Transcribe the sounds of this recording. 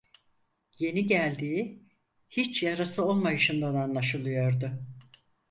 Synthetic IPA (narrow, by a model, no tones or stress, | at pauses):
je̞niɟælʲd̪iːi | hit͡ʃjaɾasɯo̞lˠmajɯʃɯnd̪ananlˠaʃɯlˠɯjo̞ɾd̪ʊ